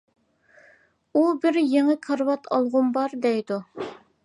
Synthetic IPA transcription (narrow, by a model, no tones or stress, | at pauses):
ubɪɾjeŋɨkʰɑɾwɑt̪ʰɑ̰lˠʁʊmbɑɾd̪ɛjd̪u